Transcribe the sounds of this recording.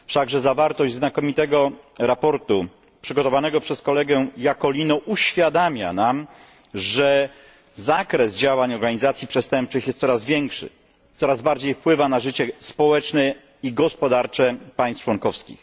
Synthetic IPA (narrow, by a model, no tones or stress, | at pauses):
fʂaɡʐɛzavaɾt̪ɔʑd͡ʑznakɔmʲit̪ɛɡɔɾapɔɾt̪u | pʂɘɡɔt̪ɔvanɛɡɔpʂɛskɔlɛɡɛ̃jakɔlʲinɔʔuɕfʲjad̪amʲja̰nam | ʐɛ | zakɾɛzd͡ʑawaɲɔɾɡaɲizat̪sʲjipʂɛst̪ɛmp̚t͡ʂɘxjɛst̪sɔɾazvʲjɛŋkʂɘ̰ | t̪sɔɾazbaɾd͡ʑejfpwɘvanaʐɘt͡ɕɛspɔwɛt͡ʂnɛ | iɡɔspɔd̪aɾt͡ʂɛpajst͡ʂwɔŋkɔfskʲḭx